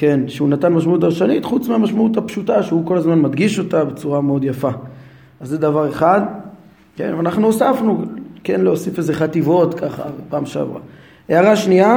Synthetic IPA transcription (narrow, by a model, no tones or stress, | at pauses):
ke̞nʃeunat̪anmaʃmaut̪̬aʁʃanitχut͡smeamaʃmaut̪hapʃutaʃeuko̞lazmanmad̪ɡiʃo̞tabe̞t͡suʁameo̞d̪jafa | azːed̪avaʁe̞χad̪ | kḛnvanaχnuosafnukenloosife̞zeχativo̞t̪kaχa̰vepaːmʃea̰vʁa̰ | eaʁaʃnia